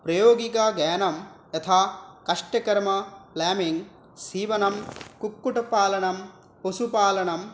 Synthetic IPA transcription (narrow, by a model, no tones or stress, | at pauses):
pɾɐjoːɡikaɡaːnɐmjɐt̪ʰaːkɐʂʈɐkɐɾmɐplaːmiŋ | siːʋɐnɐmkukːuʈɐpaːlɐɳɐm | posupaːlɐɳɐm